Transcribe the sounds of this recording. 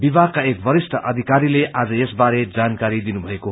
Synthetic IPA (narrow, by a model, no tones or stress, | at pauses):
bibaɡ̚kaek̚bʌɾisʈʰʌʔʌd̪ʱikaɾilead͡zʌjesbaɾed͡zankaɾid̪inubʱʌeko